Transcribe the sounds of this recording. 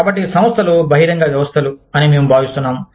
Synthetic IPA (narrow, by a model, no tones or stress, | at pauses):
kaːbɐʈ̬ːisɐ̃m̃st̪ʰɐlubʱɐɦiɾɐŋɡaːʋjɐʋɐst̪ʰɐluɐnime̞ːmubʱaːʋist̪unːaːm